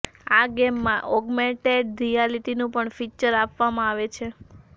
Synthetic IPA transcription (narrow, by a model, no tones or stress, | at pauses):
aɡɛmːãʔɔɡmẽɳʈeɖɾijaliʈinũpəɳfit͡ʃəɾapʋamãaʋet͡ʃʰe